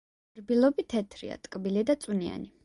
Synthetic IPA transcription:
ɾbilˠɔbit̪ʰɛt̪ʰɾḭa̰t̪ʼkʼbilid̪at̪sʼunia̰ni

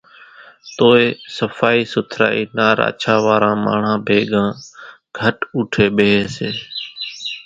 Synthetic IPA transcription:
t̪oːeːsəfaːiːsʊt̪ʰɾa̰ːiːnaːɾa̰ːt͡ʃʰaːʋaːɾãːma̰ːɳ̤ãːbʱeːɠãː | ɡʱəʈuːʈʰeːɓeːeːseː

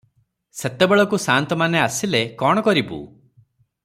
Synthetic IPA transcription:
set̪ebeɭɔkusant̪ɔmaneasilekɔɽ̃ɔkɔɾibṵ

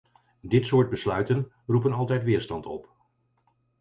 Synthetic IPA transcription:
dɪtsʊːɹt̚bəslœɥtən | rup̬ənɑlˠtɛjtʋɪːɹstɑntɔ̰p

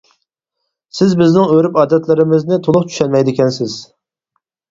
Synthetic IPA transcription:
sɪzbɪznɪŋøɾypɑːd̪ɛt̪lɪɾɪmɪznɪt̪ʰolˠʊχt͡ʃʰy̥ʃɛnmɛjd̪ɪkʲʰɛnsɪz̥

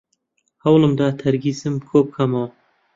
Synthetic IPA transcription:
hɐwlɨmd̪aːt̪ʰɐɾɡiːsɨmkʰoːp̚kʰɐmaw

